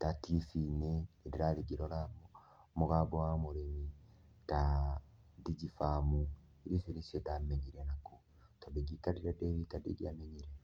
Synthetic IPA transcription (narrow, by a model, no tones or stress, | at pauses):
tatifineɾiɾaɾiɡiɾoɾa | muɣabowamuɾeni | ta | diɟifamu | iɾifiɾisedameɲiɾenako | tobiɡitaɾiɾadeɾitadḭɡiameɲiɾe